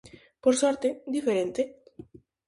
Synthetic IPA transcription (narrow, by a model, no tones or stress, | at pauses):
poɾsɔɾt̪ed̪ifeɾent̪e